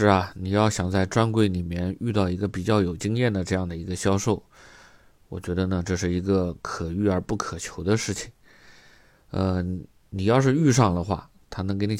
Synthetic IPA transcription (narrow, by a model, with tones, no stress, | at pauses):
ʂɻ̩˥˩ɐ˩ni˨˩jɑ˥˩ʊɕjɑ˨˩ŋt͡sa˥˩ɪʈ͡ʂwa˥nkwe˥ɪni˨˩mjɛ˥˧ny˥˧t̪ɑ˥˩ʊi˧˥ɡə˧pi˨˩t͡ɕjɑ˥˩ʊjo˨˩ʊt͡ɕi˥ŋjɛ˥˩nd̪ə˩ʈ͡ʂɤ˥˧jɑ˥˩ŋd̪ə˩i˧˥ɡə˧ɕjɑ˥ʊʂo˥˩ʊ | wɔ̰˨˩t͡ɕɥɛ˧˥d̪ə˧nə˧ʈ͡ʂɤ˥˧ʂɻ̩˥˩i˧˥ɡə˧kʰɤ˨˩y˥˩ə˞˧˥pu˥˩kʰɤ˨˩t͡ɕʰjo˧˥ʊd̪ə˧ʂɻ̩˥˩t͡ɕʰi̥˨˩ŋ | ə˧ | ni˨˩jɑ˥˧ʊʂ̬ɻ̩˥˧y˥˧ʂɑ˥˩ŋlə˩xwa̰˥˩ | t̪ʰa˥nɤ˧˥ŋk̬ɪni˧˥˩